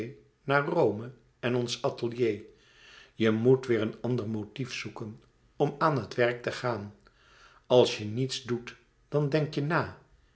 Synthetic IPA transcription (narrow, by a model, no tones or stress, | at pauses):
j | naːɹrowmə | ɛnɔnsɑtəlˠjej | jəmutʋɪːɹənɑndəɹmotifsukən | ɔmaːnɦətʋɛɹk̚təχaːn | ɑlˠsjənitsdut | d̥ɑndɛŋktjənaː